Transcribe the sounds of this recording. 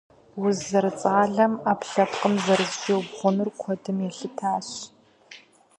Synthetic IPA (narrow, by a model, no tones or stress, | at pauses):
wʊzːɐrɨt͡sʼaːɮɐmaːpɬɐpqəmzɐrɨztiwbʁʷʊnɨrkʷʰɔdɨmjɛɬɨtʰaːɕ